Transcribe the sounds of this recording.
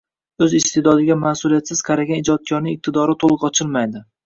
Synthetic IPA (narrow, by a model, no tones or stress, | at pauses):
ɵzɪst̪ʰed̪ɒd̪ɪɡʲamasulijat̪sɪz̥qʰɑɾaɡʲanɪd͡ʒɒt̪̚kʲʰɒɾnɪŋɪq̚t̪ʰɪd̪ɒɾɪt̪ʰolˠɨqɒt͡ʃʰɪlˠmajd̪ɪ